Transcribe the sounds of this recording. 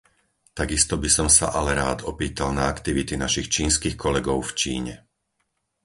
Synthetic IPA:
t̪aɡist̪ɔbisɔmsa̰ʔalɛɾaːd̪ɔpiːt̪alnaakt̪iʋit̪inaʃixt͡ʃiːnskixkʰɔlɛɡɔʊft͡ʃḭːɲɛ

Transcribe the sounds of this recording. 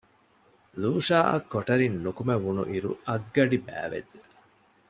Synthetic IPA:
luːʂaːʔɐ̰kːoʈɐɾinːukumeʋunṵʔiɾuɐɡːɐɖibæ̰ːʋḛːe

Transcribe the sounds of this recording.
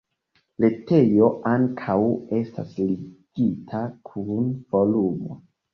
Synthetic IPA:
le̞te̞jo̞ʔaŋkʰawe̞sta̰sliɡ̥itʰakʰunvolumo̰

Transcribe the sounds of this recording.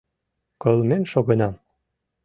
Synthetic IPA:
kølˠmenʃoɣɤ̆nɑm

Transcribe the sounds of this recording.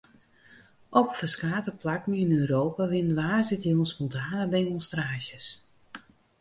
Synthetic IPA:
ʔɔpfəskaːtəplakmiənøːɾoːpaʋɪnʋaːsɪtjəunspɔntʰaːnədeːmɔnstraːʃjəs

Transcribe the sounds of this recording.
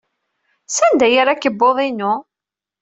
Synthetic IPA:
sænd̪æjəɾækːəbːoðˤinʊ

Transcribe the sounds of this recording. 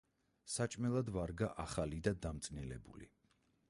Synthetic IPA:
sat͡ʃʼmɛlˠad̪vaɾɡaʔaχalid̪ad̪amt̪sʼnilɛ̰bṵlḭ

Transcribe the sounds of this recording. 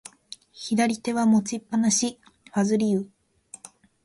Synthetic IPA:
çid̪aɾʲit̪e̞βamo̞t͡ɕipːanaɕi | ɸazɨɾʲiɯ

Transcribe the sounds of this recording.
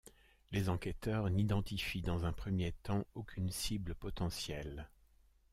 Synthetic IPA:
lezɑ̃kʲɛt̪œʁnid̪ɑ̃t̪ifid̪ɑ̃zɛ̃pχəmjet̪ɑ̃okʲynsibləpɔt̪ɑ̃sjɛl

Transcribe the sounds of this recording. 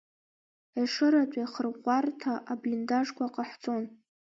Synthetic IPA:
eʂɨɾatʷʼaχərʁʷartʰaʔablʲindaʐkʷaqʼaħt͡sʼo̞n

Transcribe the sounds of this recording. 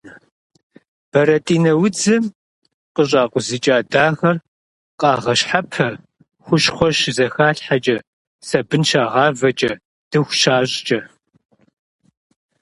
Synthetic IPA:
b̥ɐɾɐtʼiːnɐwʊd͡zɨm | qəɕʼaːqʷʊzɨt͡ʃʼaːdaːɣɐr | qʼɑːʁɐɕħapʰɐ | xʷʊʃχʷɔʃzɐxaːɬħat͡ʃʼɐ | sɐbɨnʃaːʁɑːvɐt͡ʃʼɐ | d̥ɨxʷʃaːɕʼt͡ʃʼɐ

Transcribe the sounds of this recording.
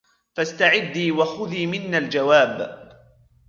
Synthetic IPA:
fast̪aʕɪd̪ːiːwaxʊðiːmɪnːald͡ʒawaːb

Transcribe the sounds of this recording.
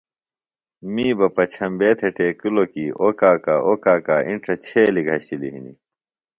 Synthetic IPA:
miːbɐpɐt͡ɕʰɐmbeːt̪ʰeʈeːkulokiʔoːkaːkaʔoːkaːkaːʔḭɳʈʰɐt͡ɕʰeːliɡʱɐɕilḭɦḭnḭ

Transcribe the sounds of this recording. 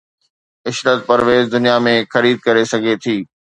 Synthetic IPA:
ɪʃɾət̪̚pɐɾʋeːzd̪ʊnijamẽxɐɾiːd̪̚kɐɾesɐɡʱet̪ʰiː

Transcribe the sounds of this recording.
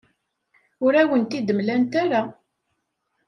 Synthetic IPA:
ʊɾæwənt̪id̪əmlænt̪aɾa

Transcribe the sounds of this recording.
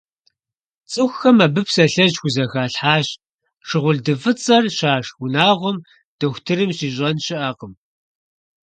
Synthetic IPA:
t͡sʼɨxʷxɐmɐbɨpʰsɐɬɐʑxʷʊzɐxaːɬħaːɕ | ʂɨʁʷʊɮdɨvɨt͡sʼɐrɕaːʂwʊnaːʁʷɔm | d̥ɐxʷtʰɨɾɨmɕiːɕ̬ʼɐnɕɪʔɐqəm

